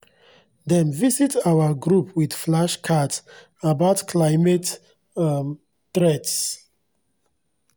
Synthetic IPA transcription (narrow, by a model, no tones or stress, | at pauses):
dɛ̃nvisitawəɡɹupʰwidflaʃkʰats | abaʊtkʰlaɪmet | tɹɛts